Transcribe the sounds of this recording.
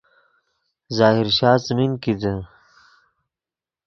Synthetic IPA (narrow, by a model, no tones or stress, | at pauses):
zaːɦiɾʃaːzminkid̪ə